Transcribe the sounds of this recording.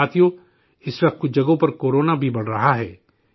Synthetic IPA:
aːt̪ijõ | ɪswɐqt̪̚kʊd͡ʒɐɡõpɐɾkoːɾoːnabʱibɐɽ̤ɾɐɦaɦɛː

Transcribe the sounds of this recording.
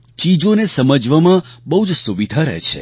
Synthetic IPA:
t͡ʃid͡ʒonesəməd͡ʒʋamãbəɦud͡ʒsuʋid̪ʱaɾɛ̰t͡ʃʰḛ

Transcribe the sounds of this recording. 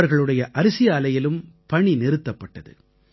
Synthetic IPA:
ɐɾɣɐɭɯɽɐjɐʔɐɾɪsɪjaːlɐjɪlɯmpɐɳinɪɾɯt̪ːɐpːɐʈːɐðɯ̰

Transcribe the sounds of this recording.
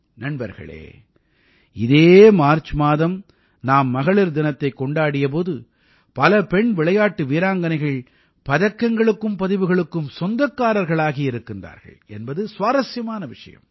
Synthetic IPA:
nɐɳbɐ̰ɾɣɐ̰ɭḛː | ɪðeːmaːɾt͡ʃːɯmaːðɐm | naːmːɐɣɐɭɪɾd̪ɪnɐt̪ːɐɪkːɔɳɖaːɽɪjɐp̬oːðɯ | pɐlɐpɛɳʋɪɭɐjaːʈːɯʋiːɾaːŋɡɐnɐɪɣɐɭ | pɐðɐkːɐŋɡɐɭɯkːɯmpɐðɪʋɯɣɐɭɯkːɯmsɔnd̪ɐkːaːɾɐɾɣɐɭaːɣiɪɾɯkːɪndra̰ːɾɣɐ̰ɭɛnbɐðɯsʋaːɾɐsjɐmaːnɐʋɪʂɐ̰jɐ̰m

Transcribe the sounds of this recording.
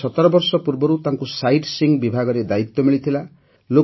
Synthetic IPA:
ɔt̪ɔɾɔbɔɾsɔpuɾbɔɾut̪aŋkusajʈsiŋɡbibʱaɡɔɾed̪ait̪ːɔmiɭit̪ʰila | lo

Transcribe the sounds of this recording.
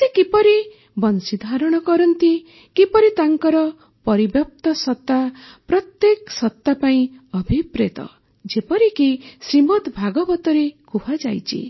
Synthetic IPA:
sekipɔɾi | bɔnsid̪ʱaɾɔɽ̃ɔkɔɾɔnt̪i | kipɔɾit̪aŋkɔɾɔ | pɔɾibjɔp̚t̪ɔsɔt̪ːapɾɔt̪jeksɔt̪ːapaĩɔbʱipɾet̪ɔ̰ | d͡ʒepɔɾikisɾimɔt̪bʱaɡɔbɔt̪ɔɾekupʰad͡ʒajt͡ʃʰḭ

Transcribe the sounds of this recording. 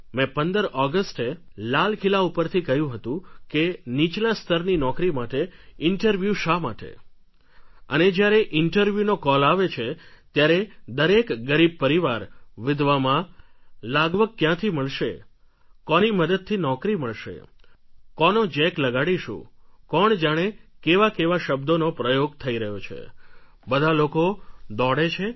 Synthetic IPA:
mɛ̃pənd̪əɾɔɡəsʈelalkʰilaupəɾt̪ʰikəɦjũɦət̪ũkenit͡ʃlast̪ʰəɾninɔkɾimaʈeɪɳʈəɾʋjuʃama̰ʈḛ | ə̰ned͡ʒjaɾeʔɪɳʈəɾʋjunokɔlaʋet͡ʃʰet̪jaɾed̪əɾekɡəɾib̚pəɾiʋaɾʋɪd̪ʱʋamãlaɡʋəɡ̚kjãt̪ʰiməɭʃḛ | kɔniməd̪əd̪̚t̪ʰinɔkɾiməɭʃḛ | kɔnod͡ʒɛkləɡaɽiʃṵ̃kɔɳd͡ʒaɽ̃ekeʋakeʋaʃəbd̪onopɾəjoɡt̪ʰəiɾəɦjot͡ʃʰḛ | bəd̪ʱalokod̪ɔɽet͡ʃʰe

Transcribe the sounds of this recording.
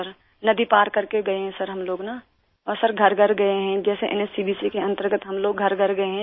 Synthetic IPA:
əɾ | nɐd̪ipaːɾkɐɾkeɡɐeɦɛ̃sɐɾɦɐmloːɡna | ɔːɾsɐɾɡʱɐɾɡʱɐɾɡɐeɦɛ̃d͡ʒɛːseʔɛ̰nesiːbiːsikeɐ̃nt̪əɾɡət̪ɦɐmloːɡɡʱɐɾɡʱɐɾɡɐeɦɛ̃

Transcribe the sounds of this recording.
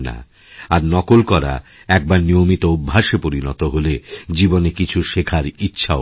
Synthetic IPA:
na̰ | aɾnɔkolkɔɾa̰ | ɛk̚baɾnijomit̪oubʱːaʃepoɾinɔ̰t̪oɦoled͡ʑibonekit͡ɕʰuʃekʰaɾitːɕʰa

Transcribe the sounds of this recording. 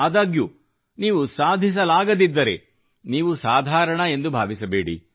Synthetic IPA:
aːd̪aːɡju | niːʋusaːd̪ʱis̬ɐlaːɡɐd̪id̪ːɐɾe̞ | niːʋusaːd̪ʱaːɾɐɳɐe̞nd̪ubʱaːʋisɐbeːɽḭ

